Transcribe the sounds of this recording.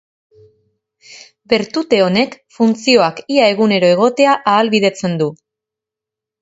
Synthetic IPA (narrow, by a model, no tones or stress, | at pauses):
be̞ɾt̪ut̪e̞o̞ne̞kfunt͡sio̞akiae̞ɣune̞ɾo̞e̞ɣ̞o̞t̪e̞aʔaːlβiðe̞t͡se̞nd̪u